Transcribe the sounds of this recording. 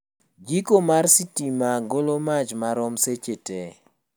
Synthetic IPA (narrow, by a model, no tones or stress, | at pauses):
d͡ʒikomarsitimaɡolomat͡ʃmaɾɔmset͡ʃete